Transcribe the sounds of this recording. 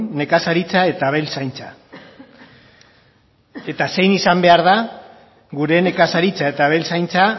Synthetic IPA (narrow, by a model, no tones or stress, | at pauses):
ne̞kasaɾit͡sae̞t̪aβe̞lsajnt͡sa | e̞t̪ase̞jnisambe̞aɾð̞a | ɣuɾe̞ne̞kasaɾit͡sae̞t̪aβe̞lsajnt͡sa